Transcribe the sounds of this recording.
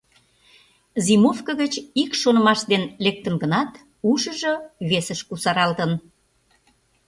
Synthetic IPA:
zimofkəɣət͡ɕikʃonə̆mɑʃd̪enlek̚t̪ənɡənɑt̪ | uʃəʒoβesəʃkusɑɾɑlt̪ən

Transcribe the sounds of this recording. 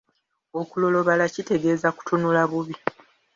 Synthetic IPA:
o̞kulo̞lo̞βalacite̞ɡe̞ːzaku̥tʰonulaβuβi

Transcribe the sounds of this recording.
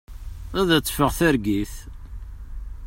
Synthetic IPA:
æðæt͡sːfəʁθæɾɡiθ

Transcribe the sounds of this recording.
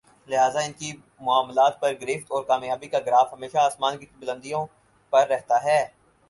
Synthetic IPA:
lɪɦaːzaɪnki | mʊaːmlaːt̪̚pɐɾɡɾɪft̪ɔːɾkaːmjaːbikaɡɾaːfɦɐmeːʃaːsmaːnkibʊlə̃nd̪ijõ | pɐɾːɛɦt̪aɦɛː

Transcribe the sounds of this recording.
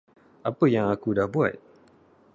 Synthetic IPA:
ʔapəjaŋakudahbua̰t̪̚

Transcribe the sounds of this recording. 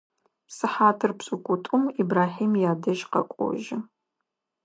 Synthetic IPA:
psɨħaːtʰɨrpsʼʊkʷʼʊtʷʼʊmibraːħiːmjaːdɐʒqɐ̰kʷʼɔ̰ʒɪ

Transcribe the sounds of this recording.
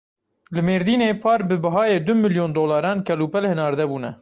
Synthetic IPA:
lɨmeːɾd̪iːneːpʰɑːɾbɨbɐɦɑːjeːd̪ʊmɨljoːnd̪oːlɑːɾɑːnkʰɛluːpɛlhɨnɑːɾd̪ɛbuːnɛ̰

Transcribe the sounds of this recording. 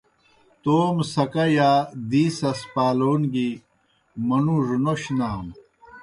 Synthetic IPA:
t̪oːmsɐkɐjad̪iːsɐspaːloːnɡi | mɐnuʐunoɕnaːm

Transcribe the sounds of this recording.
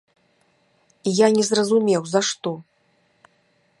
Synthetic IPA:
ijanʲɛzrɐzumʲɛwzɐʂt̪ɔ

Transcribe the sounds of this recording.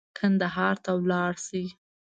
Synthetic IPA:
kʰand̪aɦɑɾt̪awlɑɽsi

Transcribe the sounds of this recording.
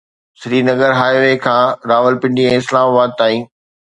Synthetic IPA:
sɾiːnɐɡəɾɦaːeʋekʰãːɾaːʋəlpɪ̃ɳɖiɛ̃ːɪslaːmabaːd̪̚t̪aːĩː

